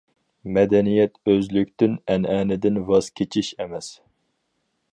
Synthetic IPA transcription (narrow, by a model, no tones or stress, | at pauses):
mɛd̪ɛnijɛt̪øzlykʲt̪ɪnɛnɛːnɪd̪ɪnvɑz̥kʲʰet͡ʃʰiʃɛmɛs